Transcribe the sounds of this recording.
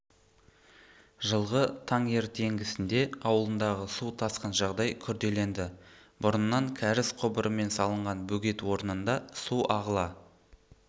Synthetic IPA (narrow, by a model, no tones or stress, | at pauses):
ʒəlˠʁət̪ʰɑɴe̞ɾt̪ʰe̞ŋɡʲɪsɪnd̪e̞ɑwəlˠənd̪ɑʁəsuwt̪ʰɑsqənʒɑʁd̪ɑjkʲʰʏɾd̪e̞le̞nd̪ɪ | bʊɾənːɑŋkʲʰæɾɪsqʰʊbəɾʔəme̞nsɑlˠəɴʁɑnbɵɡʲe̞t̪wo̞ɾnənd̪ɑsuɑʁəlˠɑ